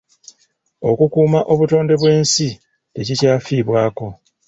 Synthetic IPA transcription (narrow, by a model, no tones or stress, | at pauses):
o̞̰kukuːmaʔo̞βuto̞ːnde̞βwe̞ːnsi | te̞cicaːfiːβwaːko̞